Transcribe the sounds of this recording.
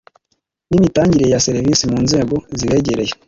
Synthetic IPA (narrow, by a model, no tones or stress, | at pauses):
nimitaːɲɟiɾe̞jase̞ɾivisimuːnze̞ːɡo̞ziβe̞ːɟeɾe̞je